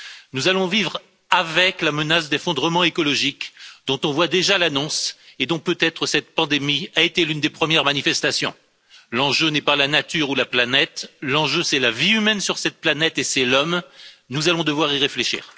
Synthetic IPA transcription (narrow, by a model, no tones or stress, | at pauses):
nuzalɔ̃vivʁ | avɛklamənasd̪efɔ̃d̪ʁəmɑ̃ekɔlɔʒikd̪̥ɔ̃t̪ɔ̃vwad̪eʒalanɔ̃sed̪ɔ̃pøt̪ɛt̪χəsɛt̪̚pɑ̃d̪emiaet̪elynd̪epχəmjɛʁmanifɛst̪asjɔ̰̃ | lɑ̃ʒønɛpalanat̪yʁulaplanɛt̪lɑ̃ʒøsɛlaviymɛnsyʁsɛt̪̚planɛt̪esɛlɔmnuzalɔ̃d̪əvwaʁiʁefleʃḭːʁ